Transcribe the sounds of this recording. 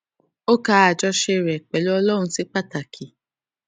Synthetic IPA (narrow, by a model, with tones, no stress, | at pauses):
o˦ka˦a˨d͡ʒɔ˧ʃe˦˨ɾɛ˨k͡pe˨lo˦ɔ˧˦lɔ˦˨˧si˦k͡pa˦ta˨kʰi˨